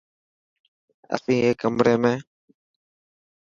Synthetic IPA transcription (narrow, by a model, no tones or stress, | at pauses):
a̰siːekambɾeːme